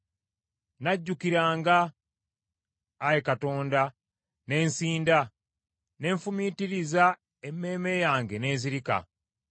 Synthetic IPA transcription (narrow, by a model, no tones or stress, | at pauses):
naɟːukiɾaːŋɡa | jekato̞ːnda | ne̞ːnsiːnda | ne̞ːɱfumitiɾiza | emːe̞ːme̞jaːŋɡe̞ne̞ːziɾika̰